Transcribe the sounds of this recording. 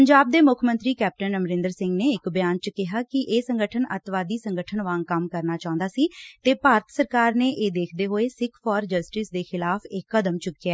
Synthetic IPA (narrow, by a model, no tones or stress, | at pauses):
əɲd͡ʒaːb̚d̪eːmʊkʰmə̃nt̪ɾiːkɛːp̚ʈənəmɾɪ̃nd̪əɾsɪ̃ŋɡneːɪkbɪjaːnt͡ʃkɪɦaːkɪʔeːsəŋɡəʈʰənə̰t̪ʋaːd̪iːsəŋɡəʈʰənʋãːŋkəmkəɾnaːt͡ʃaːʊ̃nd̪aːsiːt̪eːpaːɾət̪səɾkaːɾneːʔeːd̪eːkʰd̪eːɦoːeːsɪkʰfɔːɾd͡ʒəsʈɪsd̪eːxɪlaːpʰɪkːəd̪əmt͡ʃʊkiaɛː